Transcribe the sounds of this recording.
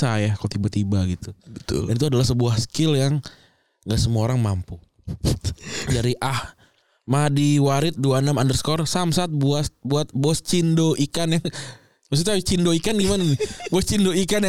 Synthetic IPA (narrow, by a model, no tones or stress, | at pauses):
sajakalot̪ibat̪ibaɡit̪uət̪ʊ̰ldanit̪uadalahsəbuahskɪljaŋ | ŋɡaʔsəmaoɾaŋmampu | daɾiʔah | madiwaɾɪt̪̚duanamandərskɔrsamsat̪̚buasbuat̪̚bɔst͡ʃindoʔikanjaŋ | mas̬it̪at͡ʃindoikanɡimannbɔst͡ʃindoikanj